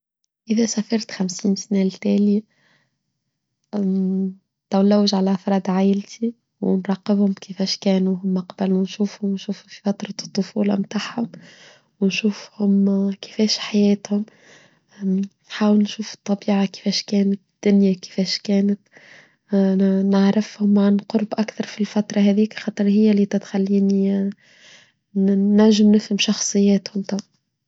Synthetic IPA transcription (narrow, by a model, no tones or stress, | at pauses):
ʔɪðæsæfɑɾˤt̪xamsiːnsnælt̪æːlja | t̪æwlːæwəʒʕalæʔɑfɾˤɑːd̪ʕajɪlt̪ʰi | wnɾˤɑːqːɪbhʊmkɪfɛːʃkɛːnuɦʊmːaqɑbalunʃuːfhʊmwnʃuːfʊfi̥fɑt̪ɾˤɑt̪ˤːofuːlɑ̰mt̪aːʕhʊm | wnʃuːfhʊmkɪ̥fɛːʃħajɛːt̪hʊm | nħaːwəlnʃuːfɨ̥t̪ˤːɑbiːʕakɪ̥fɛːʃkɛːnət̪d̪̥ːʊnjakɪ̥fɛːʃkɛːnət̪ | naʕɾɪfhʊmʕanqʊɾˤbʔakθɑɾˤfilfæt̪ɾˤɑɦɛðiːkxɑːt̪ˤɨɾˤhɪjːæliːt̪ɪt̪xalːiːni | næʒːɪmnɪfhəmʃɑxsˤɨjːɛːt̪hʊmt̪ˤɑb